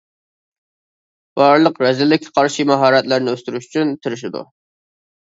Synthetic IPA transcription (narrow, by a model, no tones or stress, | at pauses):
b̥ɑɾlˠəqɾɛzɪlːɪkʲʰːɛ̥qʰɑɾʃimɑɦɑːɾɛt̪læɾnɪøst̪yɾyʃyt͡ʃʰynt̪ʰɪɾɪʃ̬ɪd̪ṵ